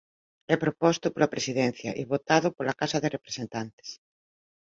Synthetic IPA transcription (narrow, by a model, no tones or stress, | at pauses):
ɛpɾopɔst̪ʊpolapɾesiðɛn̟θjɐ̰ʔiβot̪aðʊpolɐkasɐðɪrepɾesent̪ant̪e̥s